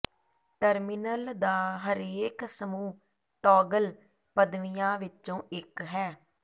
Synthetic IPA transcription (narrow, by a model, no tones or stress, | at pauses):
ʈəɾmɪnəld̪aːɦəɾeːksəmuː | ʈɔːɡəl | pəd̪ʋɪjãːʋɪt͡ʃõːʔɪkɦɛː